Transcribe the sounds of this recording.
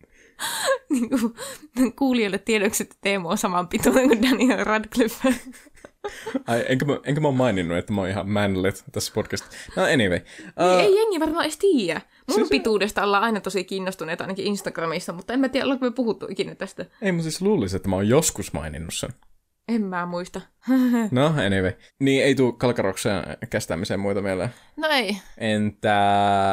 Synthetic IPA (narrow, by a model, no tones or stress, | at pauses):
niːŋku | kuːlijoilːet̪t̪ieɾøkset̪ːt̪eːmuonsɑmɑmpit̪uːneŋkund̪ænirɑdklyfæ | ɑiʔeŋkæmæʔeŋkæmæoːmmɑininːuet̪ːæmoːnihɑ̰mmænlet̪t̪æsːpodkæst̪i̥noeniʋeiʔːeijeŋːiʋɑrmɑːest̪iːjæ | mumpit̪uːdest̪ɑolːɑɑinɑt̪osikiːnːost̪uneːt̪ɑinɑkiinst̪ɑɡ̥rɑmisːɑmut̪ːɑemæt̪iːjæolːɑkumøpuhut̪ːuʔikinæt̪æst̪æeimusisluːliset̪ːæmæoːjjoskusmɑ̰inḭnːussḛn | emmæːmuist̪ɑ | noeniʋei | niːeit̪uːkːɑlkɑroksḛːnkæst̪æ̰ːmiseːmmuit̪ɑmelḛ | noeiʔent̪æ